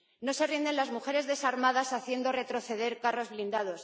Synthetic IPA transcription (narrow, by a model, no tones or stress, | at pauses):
no̞se̞rind̪e̞nlazmuxe̞ɾe̞zðe̞saɾmaðasaθje̞nd̪o̞re̞t̪ɾo̞θe̞ð̞e̞ɾkaro̞zβlind̪að̞o̞s